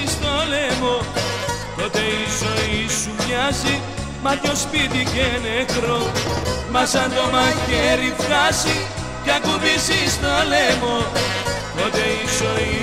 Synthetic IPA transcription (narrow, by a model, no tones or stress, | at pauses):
st̪olemo | t̪ot̪eisoisumɲɐzi | mɐtospit̪icenekɾomɐsɐnd̪omɐkeɾifɣɐsi | jɐkuβisist̪olemot̪ot̪eisoi